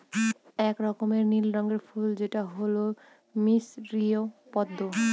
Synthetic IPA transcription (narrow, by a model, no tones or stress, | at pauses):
ɛkɾɔkomeɾnilɾɔŋɡeɾfʰuld͡ʑeʈaɦolo | misɾiopɔd̪ːo